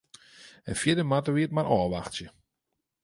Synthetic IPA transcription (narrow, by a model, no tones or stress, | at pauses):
ənfjɪdəmatəʋiət̚maɾʔɔːʋaxsjə